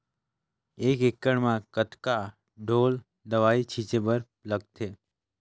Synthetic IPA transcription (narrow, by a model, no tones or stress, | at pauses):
ekekːəɳmãkət̪ka | ɖʱol | d̪əʋait͡ʃʰit͡ʃebəɾpləɡ̚t̪ʰe